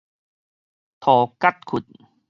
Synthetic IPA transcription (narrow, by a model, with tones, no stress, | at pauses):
t̪ʰɔː˨˩ka˥˩t̪̚kʰu˨˩t̪̚